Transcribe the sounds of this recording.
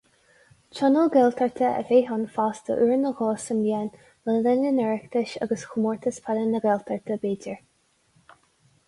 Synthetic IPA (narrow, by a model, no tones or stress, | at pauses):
t͡ʃɔnəlˠɡɛlt̪ʰəɹt̪ʰəə̰veːɦɔnfaːst̪ə̰ʔuɹnəɣɔːsəmljɛn | vɛldɛnənɛɹɛkt̪ʰəʃa̰ɡəsxʰumɔɹt̪ʰəspʰalənəɡɛlt̪ʰəɹt̪ʰəbeːdəɹ